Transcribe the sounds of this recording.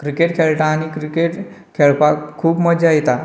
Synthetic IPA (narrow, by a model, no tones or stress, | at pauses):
kɾikeʈkʰeɭʈaːñikɾikeʈ | kʰeɭpakʰuːbməd͡ʑajt̪a